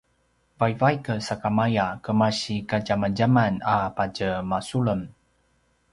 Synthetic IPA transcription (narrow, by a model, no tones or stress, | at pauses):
vajvajkəsakamajakəmaɕikaɟamaɟamanapaɟəmasuɭəm